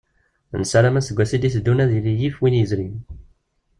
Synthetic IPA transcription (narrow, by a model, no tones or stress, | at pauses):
nsælæmæsəɡʷːæsid̪isd̪ːunæðilijifwinjəzɾiw